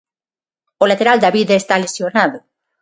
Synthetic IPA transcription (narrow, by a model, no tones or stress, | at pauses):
olat̪eɾald̪aβiðaest̪alesjonaðo